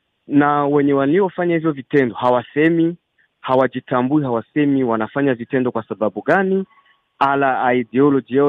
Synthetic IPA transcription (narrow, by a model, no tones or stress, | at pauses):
nawɛɲɛwaliɔfaɲahivjɔvitɛndɔhawasɛmi | hawad͡ʒitambuihawasɛmiwanafaɲavitɛndɔkwasaɓaɓuɠani | alaːidɛɔlɔd͡ʒia